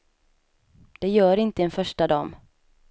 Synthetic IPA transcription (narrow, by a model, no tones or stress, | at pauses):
d̪̥ɛjœːɾɪnt̪əɛnfœʂʈad̪ɑːm